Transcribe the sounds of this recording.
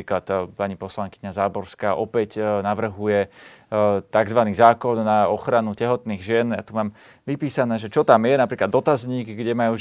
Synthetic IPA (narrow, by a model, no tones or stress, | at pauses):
iklat̪paɲipɔslaŋkiɲazaːbɔɾskaːʔɔpɛcnaʋr̩ɦujɛ | t̪aɡzʋaniːzaːkɔnːaɔxɾanucɛɦɔt̪niːɣʒɪɛnja̰t̪umaːm | ʋipiːsanɛːʒɛt͡ʃɔt̪amjɛnapɾiːklad̪ːɔt̪azɲiːɡɡɟɛmajuː